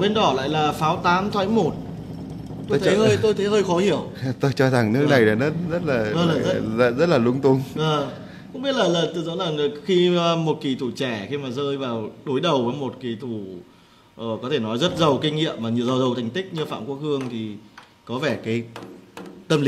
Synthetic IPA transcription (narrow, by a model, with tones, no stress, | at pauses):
ɓe˧nɗɔ˧˩la̰ː˧˨jlaː˨˩faː˨˦wt̪aː˨˦mt̪ʰwa̰ː˧˥jmo˨˩t̚ | t̪o˧t̪ə˨˧˦jhəː˧jt̪o˧jt̪ʰə˨˦jhəː˧jxɔ˨˦hi˧˩əwt̪o˧jt͡ɕɔ˧za˨˩ŋnɨ˦˥əkna˨˩jɗa˨˩nə˦˥nzə˦˥t̚laː˨˩ə˧laː˨˩zə˦˧zə˦˥t̚laː˨˩lʊ˧ŋ͡mt̪ʊ˧ŋ͡məː˨˩ | kʊ̰˧˥ŋ͡mɓi˦˥t̚laː˨˩laː˨˩t̪ɨ˨˩zɔ̰˧˥nzaː˨˩ŋ˨˩xi˧mo˨˩t̚ki˨˩t̪ʰu˧˩t͡ɕɛ˧˩xi˧maː˨˩zəː˧jvaː˨˩wɗo˨˦jɗə˨˩wvəː˨˦jmo˨˩t̚ki˨˩t̪ʰu˧˩ | ʔəː˨˩kɔ˨˦t̪ʰe˧˩nɔ˨˦jzə˦˥t̚zə˨˩wkï˧ŋ̟ŋḭ˧˨əmːaː˨˩ɲɨ˨əwzə˨˩wzə˨˩wt̪ʰa˨˩ŋ̟t̪ï˦˥k̟̚ɲɨ˧fa̰ː˧˨mku˦˥ək̚hɨ˧əŋt̪ʰi˨˩ | kɔ˨˦vɛ˧˩kaː˨˦j | t̪ə˧ml